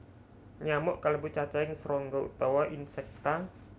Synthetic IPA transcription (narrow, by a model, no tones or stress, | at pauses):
ɲamɔʔkaləbut͡ʃat͡ʃaɪŋsəɾɔŋɡɔṵt̪ɔwaʔinsɛk̚t̪a